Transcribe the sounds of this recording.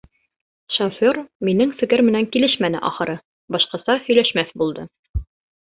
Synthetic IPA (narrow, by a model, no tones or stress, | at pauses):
ʃofʲorminɘŋfɘ̆kɘɾmɘ̆næŋkilɘʃmænɘ̰ʔɒ̰χɤ̆ɾɤ | bɒʃqɑsɑhɵ̆jlæʃmæθbulˠd̪ɤ